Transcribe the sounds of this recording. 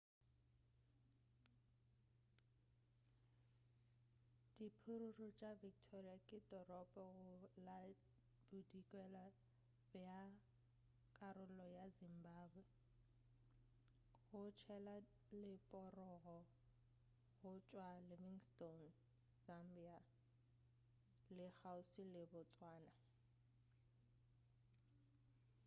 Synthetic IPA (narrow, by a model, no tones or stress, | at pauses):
d̥ipʰʊɾurut͡ʃʼavik̚tʰɔriakʼɪdɔrɔpʼɔɣʊla | b̥udikʼwɛla | bja | kʼaɾʊlɔjazimbaːbwɛ | ɣʊt͡ʃʰɛla | lɪpʼɔrɔɣɔ | ɣʊt͡ʃʼwalɪvɪŋston | zam̩bia | lɪhaʊsilɪbʊt͡sʼwaːna